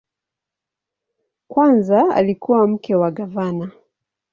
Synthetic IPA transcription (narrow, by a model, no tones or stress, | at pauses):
kwanzaa̰likuwam̩kɛwaɡavana